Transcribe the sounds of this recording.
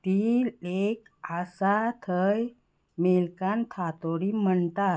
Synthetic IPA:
t̪iːek | asat̪ʰəj | melkant̪ʰat̪oɽiːm̤əɳt̪a

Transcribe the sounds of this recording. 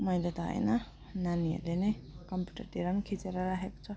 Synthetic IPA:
mʌjlet̪ɦʌ̰ḛnʌ | naniḛlenʌjkʌmpju̥ʈʌrt̪iɾʌnikʰit͡seɾʌɾaɦeko̥t͡sʰʌ

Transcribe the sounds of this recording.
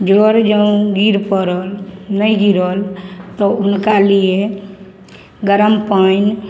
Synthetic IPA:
d͡ʒoɾd͡ʒə̃ɡiɾpəɾəlnəjɡiɾəlt̪ɔunkalie | ɡəɾəmpəin

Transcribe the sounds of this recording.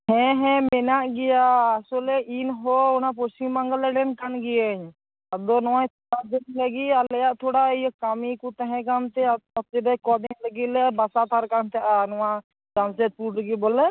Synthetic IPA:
hɛ̃ɦɛ̃mɛnaʔɡɛjaːsɔlɛʔinɦɔɔnapɔstimːaŋɡalɛɖɛnkanɡɛjəɲ | ad̪ɔnɔwajt̪ʰɔad̪ɛnləɡialɛjaʔt̪ʰuɽaijkamikut̪aɦɛ̃kant̪ɛɔt̪iɾɛkɔdiŋləɡit̪̚lɛbasat̪ʰaɾkant̪ʰaʔanɔwa | d͡ʒansɛt̪̚puʈɾəɡibɔlɛ

